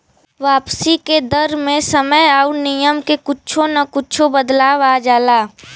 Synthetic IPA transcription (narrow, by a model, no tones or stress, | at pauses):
ʋaːpsiked̪əɾmẽsəməjaːʊnijəmkekʊt͡ʃʰõnɐkʊt͡ʃʰõbəd̪laːʋaːd͡ʒaːlaː